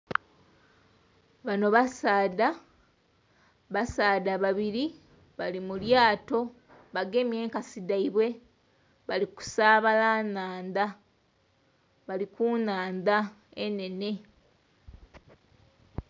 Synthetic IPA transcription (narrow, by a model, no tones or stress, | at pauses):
βano̞βasaːda | βasaːdaβaβiɾi | βalimuljaːto̞ | βaɡe̞mje̞ːŋkasidaiβwe̞ | βaliku̥saːβalaːnaːnd̪a | βalikunaːnda | ene̞ne̞